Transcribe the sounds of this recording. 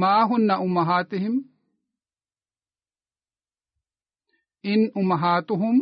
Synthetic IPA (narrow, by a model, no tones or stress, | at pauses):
maːɦʊnːɐʔʊmːɐɦaːt̪ɪhɪm | ʔɪnʔʊmːɐɦaːt̪ʊɦʊm